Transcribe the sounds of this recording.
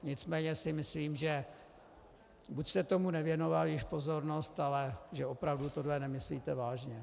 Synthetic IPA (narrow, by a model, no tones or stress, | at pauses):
ɲɪt͡smɛːɲɛsɪmɪsliːmʒɛ | bucst̪ɛt̪o̞munɛvjɛno̞valjɪʃpozo̞ɾno̞st̪alɛʒɛopɾavdut̪odlɛnɛmɪsliːt̪ɛvaːʒɲɛ